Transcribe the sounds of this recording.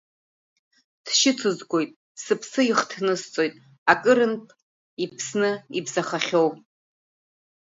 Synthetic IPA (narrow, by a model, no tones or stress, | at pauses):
d̥ʃɪt͡sʰɨzɡʷo̞jtʼ | sɨpʰsɨiχtʰnɨst͡sʷʼo̞jtʼ | akʼɨɾɨnpʰʼ | ipʰsnɨibzaχaχʲo̞wʼ